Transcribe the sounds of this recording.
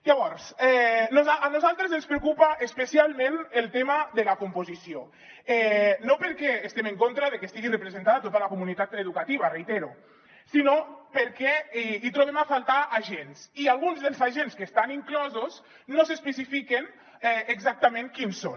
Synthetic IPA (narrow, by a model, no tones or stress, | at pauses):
ʎaβɔɾsɛnuzaanuzalˠt̪ɾezənspɾeukupaʔespəsialˠmẽnelˠt̪emad̪əlakumpozisio | ɛnopəɾkɛːst̪emeŋkont̪ɾaðekest̪iɣirəpɾezẽnt̪aðat̪ot̪alakumunit̪at̪eðukat̪iβ̞arejt̪eɾu | sinopəɾkɛit̪ɾoβ̞emafalˠt̪aʔaʒensialˠɣunzðelˠzaʒenskeːst̪aniŋklɔzos | nosespəsifiken | ɛeɡzak̚t̪amẽŋkinso